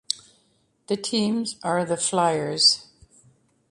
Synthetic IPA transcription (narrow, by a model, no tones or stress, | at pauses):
ðɨtʰĩmzə˞ðəflaɪə˞z̥